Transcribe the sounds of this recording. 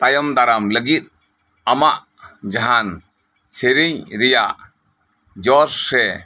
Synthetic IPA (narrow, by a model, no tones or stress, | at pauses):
t̪ajɔmd̪aɾamləɡit̪̚ | amaʔ | d͡ʒaɦan | seɾiɲɾijaʔ | d͡ʒɔɾsɾɛ